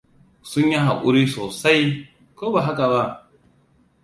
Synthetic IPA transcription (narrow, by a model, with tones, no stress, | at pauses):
sʊ˦ɲji˦ɦa˨ʔʷʊ˦ɾiː˦soː˨sa˦j | koː˦ba˨ɦa˦ka˨βa˦ʔ